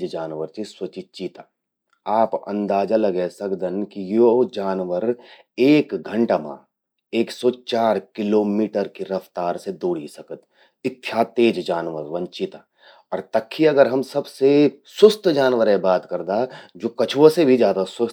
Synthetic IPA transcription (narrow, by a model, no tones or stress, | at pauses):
d͡ʒd͡ʒaːnʋəɾt͡ʃiswɐt͡ʃit͡ʃiːt̪a | aːpɐ̰̃nd̪aːd͡ʒalɐɡɛsɐkd̪ənkijod͡ʒaːnʋəɾ | eːkɡʱə̃ɳʈamã̰ | eːksɔt͡ʃaːɾkɪloːmiːʈəɾkiɾɐft̪aːɾsed̪oːɽisɐkət̪ | ɪt̪ʰːjaːt̪eːd͡ʒd͡ʒaːnʋəɾʋɐ̃ɲt͡ʃit̪a | ɔːɾt̪ɐkʰːiɐɡəɾɦɐmsɐbsesʊst̪ʰd͡ʒaːnʋəɾɛ̃baːt̪kɐɾd̪ad͡ʒoːkɐt͡ʃʰʋosebʱid͡ʒjaːd̪aswʊ